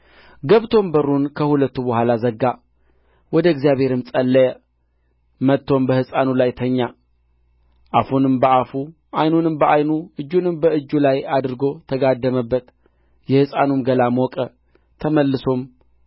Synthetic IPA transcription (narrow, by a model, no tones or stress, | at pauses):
ɡəβt̪ʰo̞mbəɾunkʰəhulət̪ːubəhʷwalazəɡːa | wɔd̪əɡzijaβhe̞ɾɨmsʼəlːəjə | mət̪ʰːo̞mbəhɨsʼanulajt̪ʰəɲːa | ʔafunɨmbəafu | ʔajnunɨmbəʔajnuɨd͡ʒːunɨmbəɨd͡ʒːulajad̪ɨɾɡo̞t̪ʰəɡad̪ːəməbːət̪ | jɛhɨsʼanumɡəlamwɔkʼə | t̪ʰəməlːɨso̞m